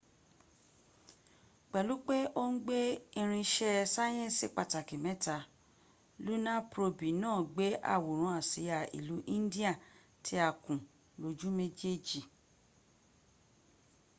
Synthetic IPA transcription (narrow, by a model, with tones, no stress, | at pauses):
k͡pɛ˨lu˨˦k͡pe˦ʔo˦n̩˦ɡ͡be˦ĩ˧ɾ̃ĩ˧ʃɛ˦sa˦j̃ɛ̃˦˨si˨k͡pa˨ta˨ki˨mɛ̃˨˦ta˧ | lu˦nã˦pɾo˧bi˨nãː˦˨ɡ͡be˨˦ʔa̰˦˨wo˨ɾ̃ũ˨˦a˨si˨˦ja˨ḭ˨lu˨˦ʔĩ˦n˦di˦a˦˨ | tʰi˦a˧kũ˨ | lo˨˦d͡ʒu˦me˦d͡ʒe˦d͡ʒi˨